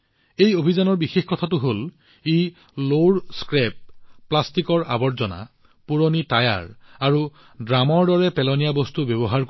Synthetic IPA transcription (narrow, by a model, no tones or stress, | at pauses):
ejobʱizanɔɹbixexkɔtʰatʊɦol | i | loɖskɹɛp̚ːlastikɔɹa̰bɔɹzɔna̰ | puɹonitaja̰ɹaɹu | dɹamɔɹdɔɹɛpɛlɔnijabostubjɔbɔɦaɹk